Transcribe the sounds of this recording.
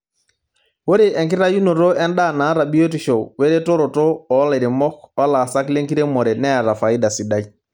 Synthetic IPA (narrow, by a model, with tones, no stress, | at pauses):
bo˦ɾe˨ʔɛ˨ŋkɪ˦ɾa˦ju˦no˨ɾo˦ɛ˦nda˦˨na˨˦ɾa˨bi˦o˦ti˨ʃɔ˨we˦ɾe˦to˦ɾo˨to˦ɔ˨˦la˨ɾe˨mɔ˦kɔ˦la˨sa˦kle˦ŋki˦ɾe˦mɔ˨ɾɛ˨nɛ˦a˨ɾa˨fa˨i˦da˨si˨da˦i˦